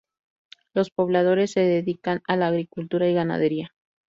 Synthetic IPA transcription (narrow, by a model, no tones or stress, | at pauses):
lo̞spo̞βlað̞o̞ɾe̞sːe̞ðeðikanalaːɣɾikult̪uɾaiɣana̰ðe̞ɾia